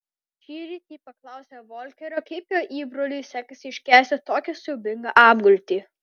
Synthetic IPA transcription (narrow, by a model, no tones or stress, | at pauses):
ʃʲiːɾʲiːt̪ʲiːpɐklˠɐˑʊsʲeːʋoːlʲkʲɛɾʲoːkɐɪpʲjoːʔiːbɾoːlʲujsʲæːkɐsʲɪɪʃʲkʲæːsʲt̪ʲɪt̪oːkʲɪsobʲɪŋɡɐʔɑːmɡʊlʲt̪ʲiː